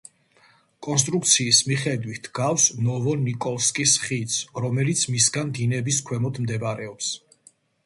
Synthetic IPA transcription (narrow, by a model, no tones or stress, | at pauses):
kʼɔns̬t̪ʼɾuk̚t̪sʰiːsmiχɛd̪wit̪ʰɡafsnɔvɔnikʼɔlˠskʼisχit̪sʰɾɔmɛlit̪sʰmisɡand̪inɛbiskʰwɛmɔd̪ʰmd̪ɛbaɾɛɔps